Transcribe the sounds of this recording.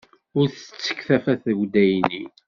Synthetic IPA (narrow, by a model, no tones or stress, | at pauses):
ʊɾθə̥t͡sːə̥kːθæfæθəɡd̪æjni